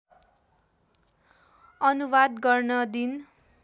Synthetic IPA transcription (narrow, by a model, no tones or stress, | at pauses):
ʌnuwad̪ɡʌrnʌd̪in